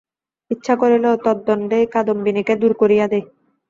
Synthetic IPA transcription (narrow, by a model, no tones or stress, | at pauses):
itːɕʰakoɾelet̪ɔd̪ːɔnɖejkad̪ombiniked̪uɾkoɾijad̪e